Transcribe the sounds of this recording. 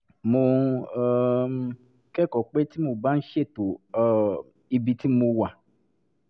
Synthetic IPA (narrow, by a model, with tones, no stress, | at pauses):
mõ˧˦˨ | kɛ˦kɔ˨k͡pe˦ti˦mo˨bã˦n̩˦ʃe˦˨to˨ | i˧bi˧ti˦mõ˧wa˨